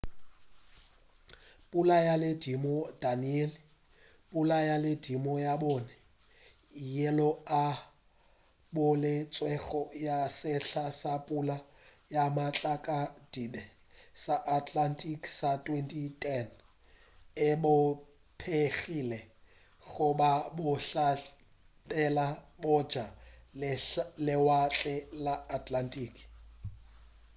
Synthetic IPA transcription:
pʼulajalɪdimɔdaniɛl | pʼulajalɪdimɔjabɔːnɛ | jɛlɔa | bʊlɪt͡sʼwɛɣɔjasɪɬasapʼula | jamat͡ɬʼakʼad̥idɛ | saʔatʰʼlantʼikʼsatʼwentʼitʰʼɛn | ɪbʊ | pʰeɣilɛ | ɣʊbabʊɬa | pʼɛlabʊ̥d͡ʒ̥a | lɪwat͡ɬʼɛlaːtʰʼlantʼiːkʰʼ

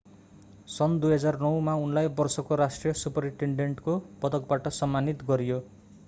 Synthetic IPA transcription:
sʌnd̪ujɦʌd͡zarnʌwmaunlajbʌrsʌkoɾasʈrijʌsupʌɾiɳʈeɳɖeɳʈkopʌd̪ʌk̚baʈʌsʌmːanit̪ɡʌɾijo

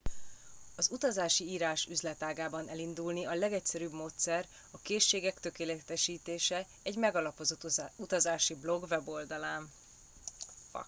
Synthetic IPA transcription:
ɒzut̪ɒzaːʃiiːɾaːʃyzlɛt̪aːɡaːbɒnɛlind̪ulniɒlɛɡɛcsɛɾybmoːt̪sɛr | ɒkeːʃːeːɡɛkt̪ø̞keːlɛt̪ɛʃiːt̪eːʃɛ | ɛɟmɛɡɒlɒpozout̪ɒzaːʃiblo̞ɡvɛbo̞ld̪ɒlaːn

